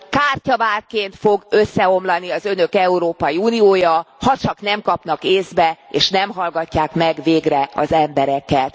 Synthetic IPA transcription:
kaːrcɒvaːrkeːnt̪fo̞ɡø̞sːɛo̞mlɒniɒzø̞nø̞kɛuɾoːpɒjiuːnioːjɒhɒt͡ʃɒkn̪ɛmkɒpnɒkeːzbɛeːʃnɛmɦɒlɡɒcːaːkmɛɡveːɡrɛɒ̰zɛmbɛɾɛkɛt̪

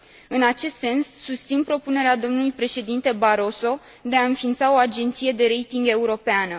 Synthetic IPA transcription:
ɨnat͡ʃe̞st̪se̞nsːust̪sinpɾo̞pune̞ɾead̪o̞mnulujpɾe̞ʃe̞d̪int̪e̞baɾo̞so̞ | d̪e̞aɨnfint̪sao̞ad͡ʒe̞nt̪sije̞d̪e̞ɾe̞jt̪iŋɡe̞uɾo̞peanə

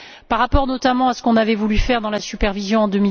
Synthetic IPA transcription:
paʁːapɔʁnɔt̪amɑ̃asə̥kɔ̃navɛvulyfɛʁd̪ɑ̃lasypɛʁvizjɔ̃ɑ̃d̪ømi

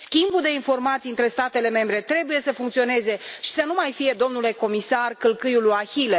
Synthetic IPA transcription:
skʲimbud̪e̞info̞rmat̪sijɨnt̪ɾe̞st̪at̪e̞le̞me̞mbɾe̞t̪ɾe̞buje̞səfuŋkt̪sio̞ne̞ze̞ʃi̥sənumajfije̞d̪o̞mnule̞ko̞misarkɨlkɨjulujaçile

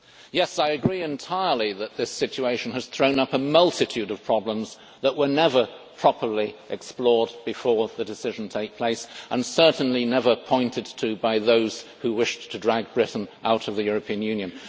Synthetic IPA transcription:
jɛsaɪɨɡɹiɨ̃ntʰaɪə˞lˠiðɨt̪̚ðɪsɪt͡ʃʉeɪʃn̩ɨz̥θɹõʊ̃nʌpəmʌlˠtʰɨtʰʉɾʌv̥pʰɹ̥ɑblə̃mz | ðəʔwə˞nɛvə˞pʰɹ̥ɑpə˞liʔɨksplɔɹd̚bɨfɔɹðɨdɨsɪʒn̩tʰeɪk̚pʰl̥eɪsʔə̃nsɜ˞ʔn̩linɛvə˞pʰɔ̃ɪ̃ntɨd̚tʰɨbaɪðoʊz̥huwɪʃtʰɨdɹæɡ̚bɹɪʔn̩ʔa̰ʊɾʌvðɨjʊɹɨpʰĩɨ̃njʉ̃njɨ̃n

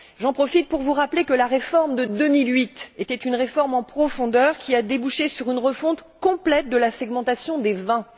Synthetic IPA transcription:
ʒɑ̃pχɔfit̪̚puʁvuʁaplekəlaʁefɔʁmd̪əd̪ømilɥit̪et̪ɛt̪ynʁefɔʁmɑ̃pχɔfɔ̃d̪œʁkʲiad̪ebuʃesyʁynʁəfɔ̃t̪kɔ̃plɛt̪̚d̪əlasɛɡmɑ̃t̪asjɔ̃d̪evɛ̃

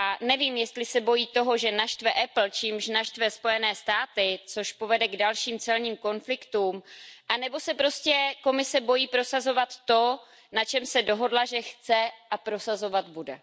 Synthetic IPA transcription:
ʔanɛviːmjɛst̪lɪsɛbo̞jiːt̪o̞ɦo̞ʒɛnaʃt̪vɛʔɛpl̩t͡ʃiːmʃnaʃt̪vɛspo̞jɛnɛːst̪aːt̪ɪt͡so̞ʃpo̞vɛdɛɡdalʃiːmt͡sɛlɲiːmko̞nflɪkt̪uːmʔanɛbo̞sɛpɾo̞scɛko̞mɪsɛbo̞jiːpɾo̞sazo̞vat̪ːo̞ | nat͡ʃɛmsɛdo̞ɦo̞dlaʒɛxt͡sɛʔapɾo̞sazo̞vat̪budɛ

